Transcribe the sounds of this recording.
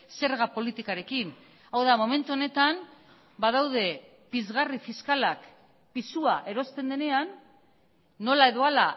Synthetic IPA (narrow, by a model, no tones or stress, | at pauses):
se̞ɾɣapo̞lit̪ikaɾe̞kin | awðamo̞me̞nt̪uo̞ne̞t̪an | baðawð̞e̞ | pizɣarifiskalak | pisuaʔe̞ɾo̞st̪e̞nd̪e̞ne̞anː | o̞lae̞ðo̞ala